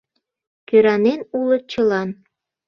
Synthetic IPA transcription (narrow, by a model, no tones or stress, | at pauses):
køɾɑnenulɤ̆t͡ɕəlɑn